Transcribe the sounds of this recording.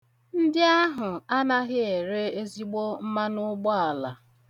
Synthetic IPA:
n̩˦dɪ˦a˦ɦʊ˨a˦na˦ɦɪ˦e˨ɾe˦e˦zi˦ɡ͡bo˦m̩˦ma˦nʊ˦ɡ͡bɔ˦a˨la˨

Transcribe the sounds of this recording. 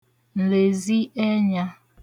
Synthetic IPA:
n̩˨le˨zi˦ɛ˦ɲa˦

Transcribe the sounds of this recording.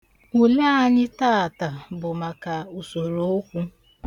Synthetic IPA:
u˨le˦a˦˨ɲɪ˦ta˦a˨ta˨bʊ˨ma˨ka˨u˨so˨ɾo˦o˦kʷu˦

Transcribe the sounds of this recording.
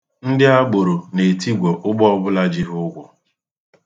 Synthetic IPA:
n̩˦dɪ˦a˦ɡ͡bo˨ɾo˨ne˨ti˦ɡʷo˨ʔʊ˦ɡ͡bɔ˦ɔ˦bʊ˦la˦d͡ʒi˦ɦʊ˦ɡʷʊ˨

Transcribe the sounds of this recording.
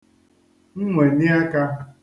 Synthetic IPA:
ŋ̩˦ŋʷe˨nɪ˦a˦ka˦

